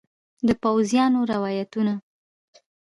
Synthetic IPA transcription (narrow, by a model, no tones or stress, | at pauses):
d̪əpawzjɑnoɾɪwɑjat̪una